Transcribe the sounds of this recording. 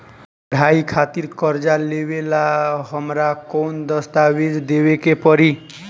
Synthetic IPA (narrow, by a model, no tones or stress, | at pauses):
pəɽʱaikʰat̪iɾkʌɾd͡ʒalebelaɦəmɾakond̪ʌst̪abed̪d̪ebekepɔɾi